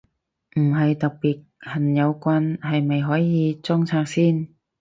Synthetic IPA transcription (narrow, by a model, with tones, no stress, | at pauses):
m̩˨˩ɦɐ˨jt̪ɐ˨k̚piː˨˩t̚hɐ˨˩njɐ˨˧wkʷaː˧nhɐ˨jmɐ˨˩jɦɔː˨˥jjiː˨˧t͡sɔː˥ŋt͡sʰaː˧˥k̚siː˥˩n